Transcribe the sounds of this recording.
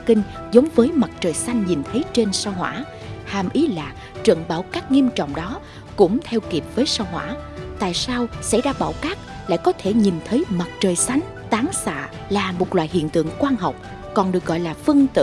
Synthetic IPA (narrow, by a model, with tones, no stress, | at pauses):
kï˧ŋ̟ | zə˨˦wŋ͡mvəː˨˦jma˨˩t̚t͡ɕəː˨˩jsa˧jŋ̟ɲi˨˩nt̪ʰə˨˦jt͡ɕe˧nsaː˧wɦwa̰ː˧˥ | haː˨˩mʔi˨˦laː˨˩ | t͡ɕwə̰˧˨nɓaː˧˩wkaː˦˥k̚ŋi˧əmt͡ɕɔ̰˧˨wŋ͡mɗɔ˨˦ | kʊ̰˧˥ŋ͡mt̪ʰɛ˧wki˨˩əp̚vəː˨˦jsaː˧wɦwa̰ː˧˥t̪a̰ː˧˨jsaː˧wsɛ̰˧˥jzaː˧ɓa̰ː˧˩wkaː˦˥k̚ | la̰ː˧˨jkɔ˨˦t̪ʰe˧˩ɲi˨˩nt̪ʰə˨˦jma˨˩t̚t͡ɕəː˨˩jsa˨˦jŋ̟t̪aː˨˦ŋsa̰ː˧˨ | laː˨˩mo˨˩t̚lwa̰ː˧˨jɦḭ˧˨ənt̪ɨ̰˧˨əŋkwaː˧nɦɔ˨˩wk͡p̚ | kɔ˨˩nɗɨ˨˩ək̚ɣɔ̰˧˨jlaː˨˩fɨ˧əŋt̪ɨ̰˧˨